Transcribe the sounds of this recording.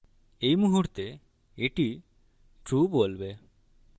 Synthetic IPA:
ejmuɦuʈt̪e | eʈi | ʈubolbe

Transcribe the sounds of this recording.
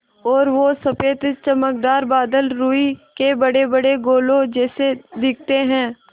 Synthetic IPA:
ɔːɾʋosɐpeːt̪t͡ʃəmək̚d̪aːɾbaːd̪əlɾuːikebɐɽebɐɽeɡoːlõd͡ʒɛːsed̪ɪk̚ʰt̪eɦɛ̃ː

